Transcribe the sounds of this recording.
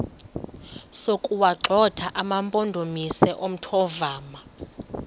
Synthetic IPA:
sokʼuwaǁʱɔtʰaʔamampʼondʱomisɛʔom̩tʰɔvaːma

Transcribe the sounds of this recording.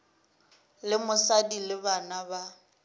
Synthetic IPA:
lɪmʊsadilɪbanaba

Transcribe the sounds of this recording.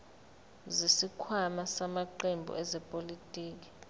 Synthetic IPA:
zisikʰwamasamaǃembʱṵʔɛzɛpʼolitʼiːk̬i̥

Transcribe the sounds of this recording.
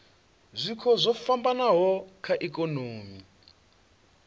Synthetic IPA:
zʷikʰɔzʷɔfambanaɦɔkʰaʔɛkʼɔnoːmi

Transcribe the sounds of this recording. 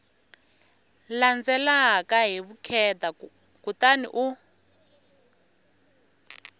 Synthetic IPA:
land͡zɛlaɦkaɦiβukʰɛta | kutanḭʔu

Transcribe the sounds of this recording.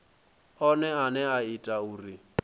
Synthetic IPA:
ɔnɛanɛaitʼauːri

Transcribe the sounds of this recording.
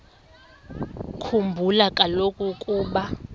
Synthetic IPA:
kʰumbʱulakʼalokʼukʼuːɓa

